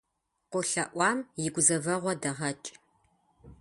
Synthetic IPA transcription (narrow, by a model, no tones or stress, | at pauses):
qʷʊɬɐʔʷɑːmjɪɡʷʊzɐvɐʁʷɔdɐʁɐt͡ʃʼ